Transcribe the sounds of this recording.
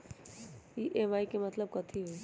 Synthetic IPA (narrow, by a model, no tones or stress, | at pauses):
iʔemaːikemɐt̪ləb̚kɐt̪ʰiɦo